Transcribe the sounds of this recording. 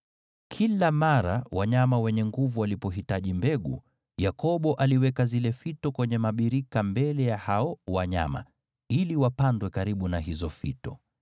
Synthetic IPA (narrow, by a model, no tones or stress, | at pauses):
kʰilamaɾa̰waɲamawɛɲɛŋɡuvualipɔɦitaʄimbɛɠṵ | jakɔɓɔʔaliwɛkazilɛfitɔkwɛɲɛmaɓiɾikambɛlɛjahaɔwaɲa̰ma̰ | iliwapandwɛkaɾiɓunaɦizɔfitɔ̰